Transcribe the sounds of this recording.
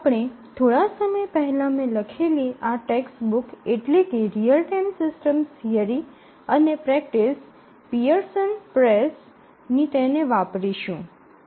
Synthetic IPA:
apɽ̃et̪ʰoɽasəməjpəɦɛlamẽləkʰeliʔaʈeksbukeʈlekeɾijəlʈamsɪsʈəmsiəɾi | ənepɾɛk̚ʈis | piəɾsənpɾes | nit̪eneʋapɾiʃũ

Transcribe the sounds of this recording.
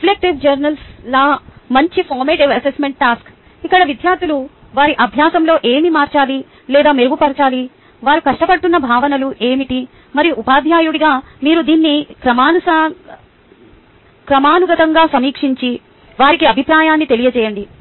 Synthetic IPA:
plek̚ʈiʋd͡ʒɐɾnɐlslɐmɐɲt͡ʃipʰoːɾmeːʈiʋɐsesme̞ɳʈ̚ːʈaːsk | ikːɐɽɐʋid̪jaːɾt̪ʰulu | ʋaːɾiʔɐbʱjaːsɐmlo̞ːʔe̞ːmimaːɾt͡ʃaːli | lɛːd̪aːmeɾuɡupɐɾt͡ʃaːli | ʋaːɾukɐʂʈɐpɐɽʈːunːɐbʱaːʋɐnɐluʔe̞ːmiʈi | mɐɾiupaːd̪ʱjaːjuɽiɡaː | miːɾud̪iːnːikɾɐmaːnusa | kɾɐmaːnuɡɐt̪ɐŋɡaːsɐmiːkʂiɲt͡ʃi | ʋaːɾikiɐbʱipɾaːjaːnːit̪e̞lijɐt͡ʃɛːjɐɳɖi

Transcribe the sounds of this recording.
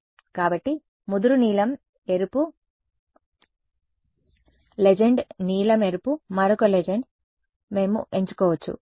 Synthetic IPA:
kaːbɐʈːi | mud̪uɾuniːlɐm | e̞ɾupu | led͡ʒe̞ɳɖniːlɐme̞ɾupumɐɾɐkoled͡ʒeɳɖ | me̞ːmṵe̞ɲt͡ʃu̥kɔːʋɐt͡ʃːṵ

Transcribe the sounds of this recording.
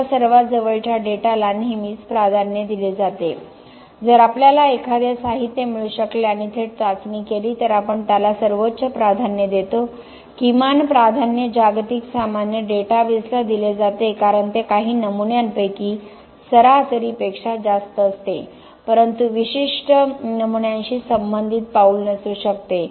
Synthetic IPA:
səɾʋad͡zəʋəɭt͡ɕʰjaɖeʈalanɦimiːt͡spɾad̪ʱanjəd̪iled͡zat̪e | d͡zəɾapljalaekʰad̪asaɦit̪ːjəmiɭuɕəkleaɽ̃it̪ʰeɾt̪at͡smiːkeliːt̪əɾapəɳt̪jalasəɾʋotːt͡ɕəpɾad̪ʱanjəd̪et̪o | kimanpɾad̪ʱanːjəd͡ʑaɡt̪iksamanjəɖeʈaʋeslad̪iled͡zat̪ekaɾəɳt̪ekaɦiːnəmunjanpəjkiː | səɾat̪əɾiːpekʂad͡zast̪əːst̪e | pəɾənt̪uʋiɕiʂʈənəmuɳjãnɕiːsəmbənd̪ʱit̪̚pauːlnəsuːɕəkt̪e

